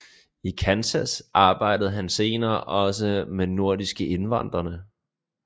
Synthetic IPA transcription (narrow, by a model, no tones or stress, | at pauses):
ikʰænsæsɑ̈ːb̥ɑ̈ɪ̰d̥əð̩ˠɦænse̝ːnɐːʔɒ̽s̬əmeno̝ɐ̰disɡ̥əʔe̝nʋɑn̰d̥ʁɐnə